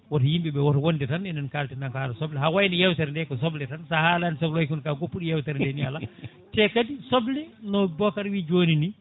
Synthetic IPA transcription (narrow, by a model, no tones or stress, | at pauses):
wɔtɔjimbiɓɛwɔtwonditanɛnɛnkaltɛndaŋkaːlasɔblɛɦawajnijɛwtɛɾndɛkɔs̬ɔblɛtansahalanisɔblwajkunkaɡopːuɗijɛwtɛɾndɛniala | tɛkadisɔblɛnɔbɔkaɾwid͡ʒoːnini